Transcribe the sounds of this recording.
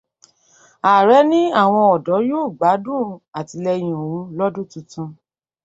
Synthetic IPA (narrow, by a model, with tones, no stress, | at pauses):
a˨ɾɛ˨˦nĩ˦a˦˨w̃ɔ̃˧ɔ˨dɔ˨˦joː˦˨ɡ͡ba˨˦dũ˦˨a˨ti˧lɛ˧j̃ɔ̃˨wũ˨˧˦lɔ˦dũ˦˨tũ˧˦tũ˧